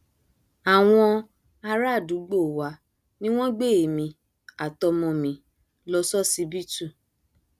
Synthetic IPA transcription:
a˨w̃ɔ̃˧ | a˧ɾa˦˨du˨˦ɡ͡bo˦˨wa˨˦ | nĩ˦w̃ɔ̃˦ɡ͡be˦˨e˨mĩ˧˦ | a˨tɔ˧mɔ̃˧mĩ˨˦ | lɔ˧sɔ˦si˧bi˦tu˦˨

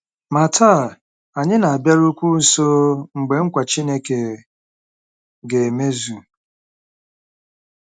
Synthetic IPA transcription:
ma˨tʰaː˦˨ | a˨ɲɪ˦na˨a˨bja˦ɾu˦kʷu˦n̩˨so˦ŋ͡m̩˨ɡ͡be˨ŋ̩˦kʷa˨t͡ʃi˦ne˦ke˨ | ɡe˨e˨me˦zu˨

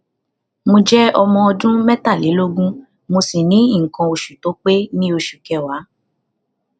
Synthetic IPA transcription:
mo˧d͡ʒɛ˦ɔ˧mɔ̃˧ɔ˧dũ˦mɛ˦ta˦˨le˨˦lo˦ɡũ˦ | mo˧si˨nĩ˨˦˨ŋ̩˨kã˧o˧ʃu˨to˨˦k͡pe˦nĩ˦o˧ʃu˨kɛ˨wa˨˦

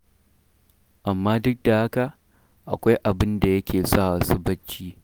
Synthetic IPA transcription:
ʔa˨mːaː˦dʊ˦k̚da˨ha˦ka˨ʔ | ʔa̰˨kʷa˦jʔa˨bɪ˦nda˨jɐ˦kʲeː˨sɐː˦aː˨sʊ˦bɐ˦t͡ʃːiː˦

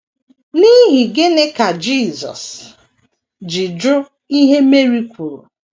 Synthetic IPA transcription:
ni˦ɦi˨ɡe˦ne˦ka˨d͡ʒiː˦˨zɔ̰˨s | d͡ʒi˨d͡ʒʊ˦ | i˦ɦe˦me˦ɾi˦kʷu˨ɾṵ˨

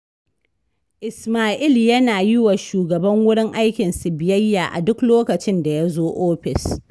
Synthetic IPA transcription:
ʔɪ˨smaː˦ʔɪ˦˨ljɐ˦naː˨ji˦wa˨ʃuː˨ɡɐ˨bɐ˦ŋwʊ˦ɽɪ˦ŋʔa˦jkʲɪ˨nsɪ˨bɪ˨jɐ˦jːaː˨ʔa̰˨dʊ˦kloː˦kɐ˨t͡ʃɪ˦nda˨ja˦zoː˦ʔoː˦ɸɪ˨s

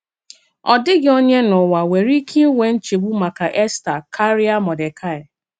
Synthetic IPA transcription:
ɔ˨dɪ˦ɡɪ˦o˦ɲe˦nʊ˨wa˨we˨ɾi˦kʰi˦we˦n̩˦t͡ʃe˨ɡ͡bu˦ma˨ka˨ʔe˦sta˨kʰa˦ɾi˦a˦mɔ˨de˨kʰa˦ɪ˨

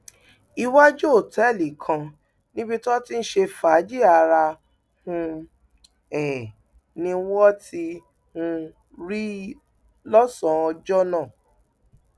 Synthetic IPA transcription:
i˧wa˦d͡ʒo˦o˦˨tɛ˨˦˨li˨kʰã˧ | nĩ˦bi˧tɔ˦ti˦n̩˦ʃe˧fa˨˦d͡ʒi˦a˧ɾa˧ | hũ˧ | ɛ˨ | nĩ˧wɔ˦ti˧ | hũ˧ | ɾi˦ | lɔ˦sɔ̃˨ɔ˧d͡ʒɔ˦nãː˦˨

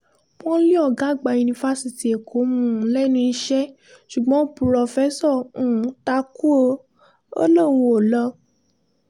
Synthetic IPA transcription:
pɔ̃˦li˦ɔ˨ɡa˨˦˨ɡ͡ba˧˨ju˧nĩ˧va˧si˨ti˨e˨kʰo˨˦mũ˦˨˦lɛ˦nũ˧i˧ʃɛ˦ | ʃu˨ɡ͡bɔ̃˨˦pɾɔ˧fɛ˦sɔ˦˨ũ˨˦ta˧˦ku˦o˧ | o̰˦lõ˦˨o˨lɔ˧

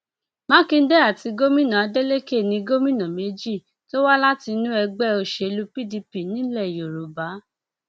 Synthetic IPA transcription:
mã˦kĩ˦˧n̩˦dɛ˦a˦˨ti˧ɡo˦mĩ˦nã˨a˨˧de˦le˦ke˦˨nĩ˧ɡo˦mĩ˦nã˨me˨˦d͡ʒi˦˨ | to˦wa˦la˦ti˧˦nũ˦ɛ˧ɡ͡bɛ˦o˧ʃe˧lu˧pi˦˨di˧pi˦˨nĩ˨˦lɛ˦˨jo˨ɾu˨ba˨˦

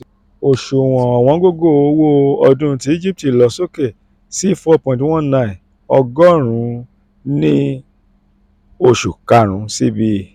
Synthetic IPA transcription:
o˨ʃu˨w̃ɔ̃˨ɔ˨w̃ɔ̃˨˦ɡo˦ɡo˦˨o˨˦wo˦ɔ˧dũ˦˧ti˧˦i˦d͡ʒi˦p̚ti˨lɔ˧˦so˦ke˦˨ | si˦˨fɔ˦pɔ̃˧˨tw̃ɔ̃˦nã˧˨ĩ˨ | ɔ˧ɡɔ˦ɾ̃ũ˨˦ | nĩ˦ | o˧ʃu˨ka˧ɾ̃ũ˨˦si˦bi˧

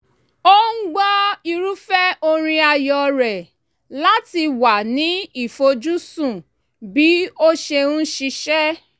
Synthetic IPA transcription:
o˦ŋ̩˦ɡ͡bɔ˦i˧ɾu˦fɛ˦o˧ɾ̃ĩ˧a˧jɔ˨ɾɛ˨ | la˦ti˧wa˨nĩ˨˦i˦˨fo˧d͡ʒu˦sũ˦˨ | bi˨˦o˦ʃe˧ũ˦ʃi˧ʃɛ˦

